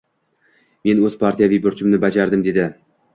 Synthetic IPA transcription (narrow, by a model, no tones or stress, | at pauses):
me̞nɵz̥pʰaɾt̪ʰijavijbʊɾt͡ʃʰɪmnɪbad͡ʒaɾd̪ɪmd̪e̞d̪ɪ